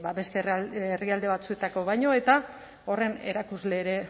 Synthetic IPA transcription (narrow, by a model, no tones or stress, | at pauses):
baβe̞st̪eeriald̪e̞βat͡sue̞t̪ako̞βajɲo̞e̞t̪a | o̞re̞ne̞̰ɾakuzle̞ːɾe̞